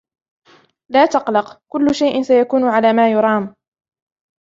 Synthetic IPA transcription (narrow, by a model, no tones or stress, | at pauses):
laːt̪ɑqlɑqkʊlːʊʃajʔɪnsajakuːnʊʕalaːmaːjʊɾˤɑːm